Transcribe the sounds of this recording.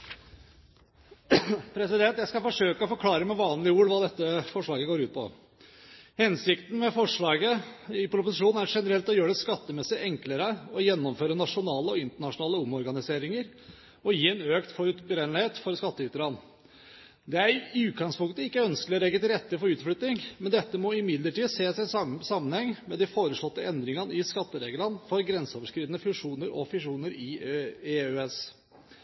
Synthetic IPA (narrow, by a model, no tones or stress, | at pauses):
pʰɾɛsɪd̪ɛnt̪jæɪskɑfɔʂøːkəɔfɔɾkʰlɑːɾəmɛʋɑːnlɪuːlʋɑːd̪ɛt̪ːəfɔʂɭɑːɡəɡoːɾʉːt̪̚pʰɔ̰ | hɛnsɪkt̪n̩mɛfɔʂɭɑːɡəɪpʰɾʊpʊsɪʂuːn̩æɾʂɛnəɾɛlt̪ɔjøːɖɛskɑt̪ːəmɛsɪʔɛŋkləɾəɔjɛnːɔmføːɾənɑʂʊnɑːləɔɪnt̪əɳɑʂʊnɑːləɔmɔɾɡɑnɪseːɾɪŋəɾ | ɔjiːɛnøːkt̪fɔɾʉt̪bɾenlɪheːt̪fɔɾskɑt̪ːəʏt̪əɾɑn | d̪ɛæɾʉːt̪̚ɡɑŋspʊŋkt̪əɪkːəœnskəlɪɔɾɛɡːət̪ɪlɾɛt̪ːəfɔɾʉːt̪flʏt̪nɪŋmɛnd̪ɛt̪ːəmɔɪmɪd̪ləʈiːd̪seːsæɪsɑmːənhɛŋmɛd̪ɪfoːɾəʂlɔt̪ːəɛnd̪ɾɪŋənəɪskɑt̪ːəɾeːɡələnfɔɾɡɾɛnsəoːʋəʂkɾiːd̪ənəfʉʂuːnəɾʔɔ̰fʉʂuːnəɾɪeːøːɛs